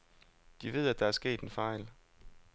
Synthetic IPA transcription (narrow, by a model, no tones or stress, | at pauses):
d̥iʋe̝ð̞̰ˠæd̥ɑ̈æɐsɡ̥e̝̰ːd̥enfɑ̈ɪ̰l